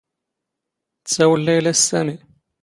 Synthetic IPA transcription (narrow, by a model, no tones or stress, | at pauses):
t͡sːæwəlːæjlæsæmi